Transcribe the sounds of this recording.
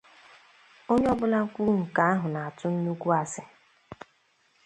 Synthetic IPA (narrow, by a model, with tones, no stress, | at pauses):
o˦ɲ˦ɔ˦bʊ˦la˦ŋ̩˦kʷu˦ŋ̩˨ka˨a˦ɦʊ˨na˨a˨tʊ˦n̩˦nu˦kʷu˦a˨sɪ˨